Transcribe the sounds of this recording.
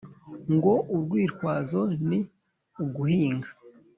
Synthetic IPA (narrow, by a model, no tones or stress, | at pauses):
ŋɡo̞ʔuɾɡwiːɾkwaːzo̞ni | uɡuhiːŋɡa